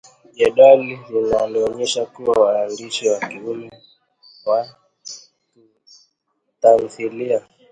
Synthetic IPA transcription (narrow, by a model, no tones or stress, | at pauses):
ʄɛɗaliinaliɔɲɛʃakuwawaːndiʃiwakiumɛ | wa | ku | tanθilia